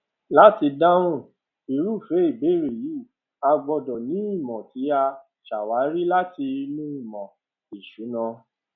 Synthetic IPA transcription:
la˦ti˧da˦ɾ̃ũ˦˨ | i˨ɾu˦˨fe˨˦i˦˨be˨˦˨ɾe˨ji˨˦˨ | a˧ɡ͡bɔ˧dɔ˨nĩ˨˦i˦˨mɔ̃˨ti˨˦a˧ | ʃa˨wa˨˦ɾi˦la˦ti˧mũ˦i˦˨mɔ̃˨ | i˨ʃu˨˦nã˧

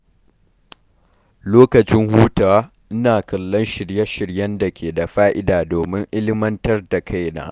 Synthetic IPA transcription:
loː˦kɐ˨t͡ʃɪ˦ŋhuː˦taː˨waː˦ | ʔɪ˦naː˨kɐ˨lːɔ˦nʃɪ˨ɽjɐ˦ʃɪ˨ɽjɐ˦nda˨kʲʰeː˨da˨ɸaː˦ʔɪ˦daː˨doː˨mɪ˦ŋʔɪ˦lɪ˦mɐ˦ntɐ˦rda˨kʰa˦jna̰ː˦ʔ

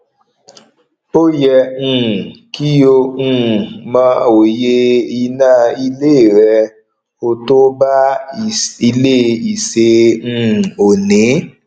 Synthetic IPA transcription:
o˦jɛ˧ũ˦˨ki˦o˧ũ˦˧mã˧˦o˨je˧i˧nã˦˧˨i˧le˦˨ɾɛ˧ | o˧to˦ba˦˨ | i˧le˦i˨sẽ˧˦˧ | o˨nĩ˨˦

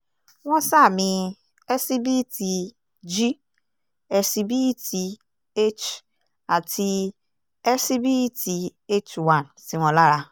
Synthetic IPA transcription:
w̃ɔ̃˦sa˦˨mĩ˧ | ɛ˦si˦bi˦ti˧ | d͡ʒi˦ | ɛ˧si˧bi˦ti˧ | e˦t͡ʃ | a˨ti˧ | ɛ˦si˦bi˦ti˧e˦t͡ʃwã˨nsi˨˦w̃ɔ̃˦˧la˦ɾa˧

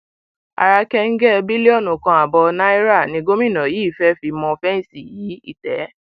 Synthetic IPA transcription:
a̰˨ɾa˧kɛ˧ŋ̩˦ɡɛ˦˧bi˦li˦ɔ˦˨nũ˨kã˧a˨bɔ˧nã˦i˦ɾa˦˨nĩ˧ɡo˦mĩ˦˨nã˨jiː˨˦˨fɛ˦fi˧mɔ̃˧fɛ˦n̩˦˨si˦˨ji˨˦ḭ˦˨tɛ˨˦

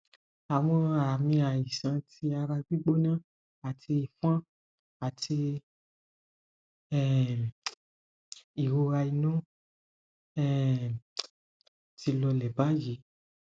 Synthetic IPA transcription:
a˨w̃ɔ̃˧a˨mĩ˧a˨ji˨sã˨˧˦tʰi˧a˧ɾa˧ɡ͡bi˦ɡ͡bo˦nã˦ | a˨tʰi˧i˨fã˦ | a˨ti˧ | ɛ˦˨ | i˨wo˧ɾa˧i˧nũ˦ | ɛ˦˨ | tʰi˧lɔ˧lɛ˨ba˨˦ji˨˦

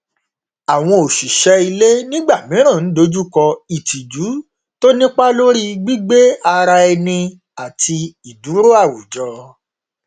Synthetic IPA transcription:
a˨w̃ɔ̃˧o˨ʃi˨ʃɛ˦i˧le˦nĩ˦ɡ͡ba˦˨mĩ˨˦ɾ̃ã˦˨n̩˨˦do˨˦d͡ʒu˦kɔ˧i˨ti˨d͡ʒu˨˦ | to˦nĩ˦k͡pa˦lo˦ɾi˦ɡ͡bi˦ɡ͡be˦a˧ɾa˧ɛ˧nĩ˧ | a˨ti˧i˨du˨˦ɾo˦a˦˨wu˨d͡ʒɔ˧

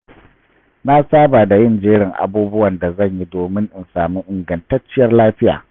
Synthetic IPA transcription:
na˦saː˦baː˨da˨jɪ˦˨nd͡ʒeː˦ɽɪ˨ŋʔa̰˨buː˦bʊ˦wɐ˨nda˨zɐ˦˨ɲji˦doː˨mɪ˦ŋʔɪ˨nsaː˨mu˦ʔɪ˨ŋɡɐ˨ntɐ˦t͡ʃːɪ˦jɐ˦rlaː˦ɸɪ˦ja̰ː˨

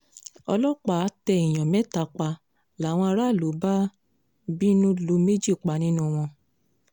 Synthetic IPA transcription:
ɔ̰˧lɔ˦k͡pa˨˦tɛ˧i˨j̃ɔ̃˨mɛ˨˦ta˧k͡pa˧ | la˨˦˨w̃ɔ̃˧a˧ɾa˦˨lo˨˦ba˦ | bi˦nũ˦lu˧me˦d͡ʒi˦˨k͡pa˨˦nĩ˦nũ˦w̃ɔ̃˧

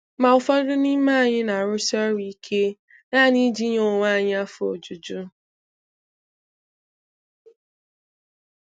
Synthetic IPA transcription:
ma˨ʊ˨fɔ˦dʊ˦ni˦ma˦˨ɲɪ˦na˨ɾʊ˦sɔ˦ɾi˦kʰe˦ | na˦˨ni˦d͡ʒi˦ɲo˨ŋʷa˦˨ɲɪ˦a˦fo̰˨d͡ʒu˨d͡ʒu˦

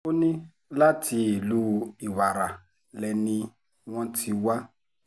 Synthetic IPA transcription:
ʊ˦nɪ˦ | la˦tʰi˨lu˦˨i˨wa˨ɾa˨ | lɛ˨ni˦ | ŋɔ̃˦tʰi˨wa˦

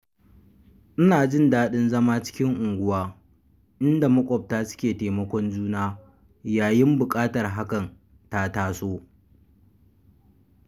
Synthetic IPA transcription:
ʔɪ˦naː˨d͡ʒɪ˦ndaː˦ɗɪ˦nzɐ˦maː˦t͡ʃɪ̥˦kʲɪ˦ŋʔʊ˨ŋɡʷʊ˦waː˦ | ʔɪ˦nda˨mʊ˦kʷʼɔ˨p̚taː˦sʊ̥˦kʲeː˨teː˨mɐ˦kʷɔ˦nd͡ʒuː˦naː˦ | jaː˨jɪ˦mbʊ˨kʼaː˦tɐ˨rɦa˦kɐ˨n | ta˦taː˦soː˦

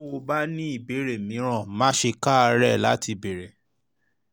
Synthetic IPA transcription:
o˧ba˦nĩ˦i˦˨be˨˦ɾe˨mĩ˨˦ɾ̃ã˦˨mã˨˦ʃe˧ka˦˧ɾɛ˦˨la˨˦ti˧be˨ɾe˨

